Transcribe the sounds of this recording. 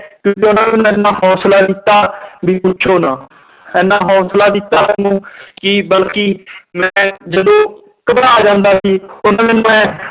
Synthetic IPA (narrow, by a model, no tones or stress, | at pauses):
kjõːk̬ɪʊnãːmɛñːɛ̃nːãːɦɔːslaːd̪ɪt̪ːaːbiːpʊt͡ʃʰoːnãː | ɛːnːaːɦɔ̃ːslaːd̪ɪt̪ːaːsəŋɡũːkɪbəlkiːmɛ̃ːd͡ʒəd̪õː | kəbɾaːaːd͡ʒãːnd̪aːsiːʊnãːmɛːnũːɛ̃ː